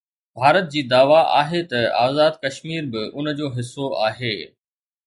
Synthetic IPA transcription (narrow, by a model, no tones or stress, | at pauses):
bʱaːɾət̪̚d͡ʑiːd̪aːʋaʔa̰ːɦet̪ɐa̰ːzaːd̪kɐʃmiːɾbɪʊnəd͡ʑoːɦɪsːoaːɦeː